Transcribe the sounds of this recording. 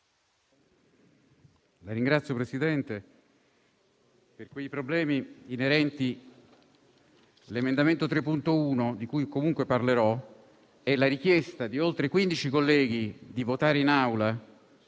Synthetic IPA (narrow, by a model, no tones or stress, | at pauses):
laɾiŋɡɾat̪sjopɾesid̪ɛnt̪e | perkwejpɾoblɛːmiːneɾɛnt̪i | lemend̪ament̪ot̪ɾepːunt̪ouːnod̪ikujkomuŋkweparleɾɔ | ɛlaɾikjɛst̪ad̪iolt̪ɾekwind̪it͡ʃikolːɛːɡ̟id̪ivot̪aːɾeinawla